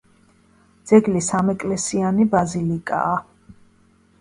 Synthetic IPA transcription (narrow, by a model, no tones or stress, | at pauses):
d̪z̥ɛɡlisamɛkʼlɛsianibazilikʼa̰ː